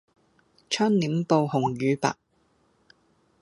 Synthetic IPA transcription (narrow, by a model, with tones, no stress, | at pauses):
t͡ʃʰœː˥ŋniː˨˥mpo˧whʊ˨˩ŋjyː˨˧pa̰ː˨k̚